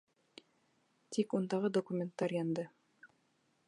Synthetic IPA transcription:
t̪ʰikund̪ɑʁɤd̪okumʲent̪ːɑɾjɑnd̪ɤ

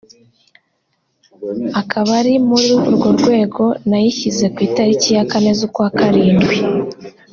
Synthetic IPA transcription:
akʰaβaɾimuɾiuuɾɡo̞ɾɡwe̞ːɡo̞najiçize̞kwiːtaɾicijakane̞zukwaːkaɾiːndɡwi

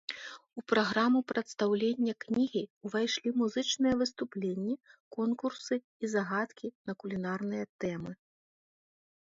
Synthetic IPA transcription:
upɾaɣɾamupɾʔɐt̪st̪awlʲenʲːɐknʲiɣʲivajʂlʲimuzɨt͡ʂnɨjɐvɨst̪uplʲenʲːɛkɔnkurssɨ | izaɣat̪kʲinɐkulʲinarnɨjɐt̪ɛmɨ

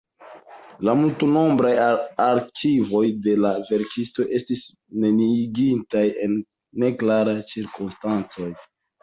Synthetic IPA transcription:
lamultuno̞mbɾajaɾkʰivo̞jde̞lave̞ɾkisto̞ʔe̞stis | ne̞niɡintaje̞nː | e̞klaɾajt͡ʃiɾkonstant͡so̞j

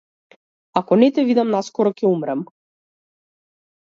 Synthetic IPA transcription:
akɔnɛt̪ɛvid̪amnaskɔɾɔcɛumɾam

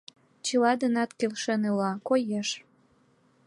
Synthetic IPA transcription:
t͡ɕəlɑd̪ənɑt̪kelʃenelɑkojeʃ

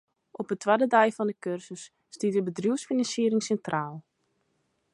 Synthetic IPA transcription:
ʔɔpətʰwadədɛjfɔndəkørsəsː | titəbədrjuəwsfinɑnsiəɾɪŋsɛntrʔaːlˠ

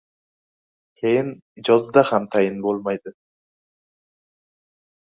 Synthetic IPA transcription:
kʲʰe̞jɪnd͡ʒɒzd̪ahamt̪ʰajɪnbolˠmajd̪ɪ

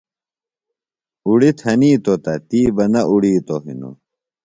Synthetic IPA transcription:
uɽit̪ʰhɐniːt̪ot̪ɐt̪iːbɐnɐʔuɽiːt̪oɦḭno̰

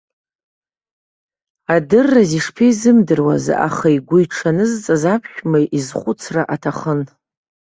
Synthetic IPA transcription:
adɨrːaziʂpʰiizɨmdɨrwa̰za̰χaiɡʷʊjʈ͡ʂʰanɨzt͡sʼazapʰʃʲᶣmajʔizχʷʊt͡sʰraʔatʰaχən

